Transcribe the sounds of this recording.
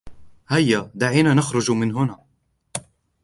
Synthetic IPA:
hajːad̪aʕiːnanaxɾʊd͡ʒmɪnɦʊnaː

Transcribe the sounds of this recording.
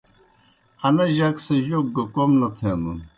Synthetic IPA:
ɐnɐʑaksɐʑok̚ɡɐkomnɐt̪ʰeːnd̪ṵn

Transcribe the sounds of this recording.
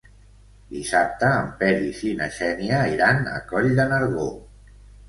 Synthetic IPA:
d̪isap̚t̪əːmpɛɾisinəʃɛniəiɾanə̰kɔʎðənəɾɣo

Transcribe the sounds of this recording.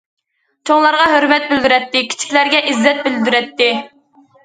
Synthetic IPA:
t͡ʃʰoŋlˠɑɾʁɑɦøɾmɛt̪̚bɪld̪yɾɛt̪ːɪkʲʰi̥t͡ʃʰi̥kʲlæɾɡʲɛʔizːɛt̪̚bɪld̪yɾɛt̪ːɪ

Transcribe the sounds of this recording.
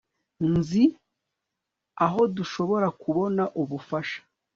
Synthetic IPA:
nzi | aɦo̞duʃo̞βo̞ɾakʰuβo̞naʔuβufaʃḁ

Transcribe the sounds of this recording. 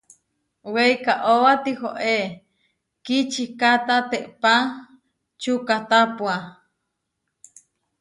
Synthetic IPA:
weikaʔowat̪ihoʔe | kit͡ʃikat̪at̪eʔpa | t͡ʃukat̪apwa

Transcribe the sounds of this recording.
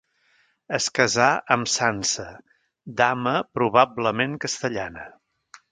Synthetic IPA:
əskəzaʔəmsansə | d̪aməpɾuβabləmeŋkəst̪əʎanə

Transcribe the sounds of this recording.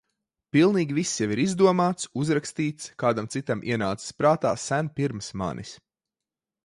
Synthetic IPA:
pilˠniːɡʲivisːjaʋiɾizd̪uɔmaːt̪suzɾakst̪iːt̪skaːd̪amt̪sit̪amʔiɛnaːt̪sɪ̥spɾaːt̪a̰ːsænpiɾmsma̰nʔḭs

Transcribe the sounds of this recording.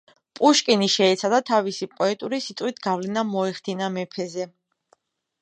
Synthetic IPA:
pʼuʃkʼiniʃɛːt̪sʰad̪at̪ʰavisipʼɔɛt̪ʼuɾisit̪ʼwit̪ʰɡ̥avlɛnamɔɛχd̪inamɛpʰɛzɛ

